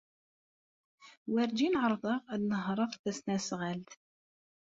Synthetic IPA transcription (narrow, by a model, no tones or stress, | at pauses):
wæɾd͡ʒinʕəɾˤðˤəʁæðnəɦɾˤəʁθæsnæsʁælt̪